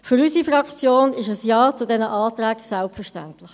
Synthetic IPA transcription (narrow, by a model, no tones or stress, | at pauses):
fʏɾysifɾɑkt͡sjoːnɪʃəsjɑːt͡sʊdɛnəʔɑːtɾæːksɛlpfəʃtæ̰ntlɪx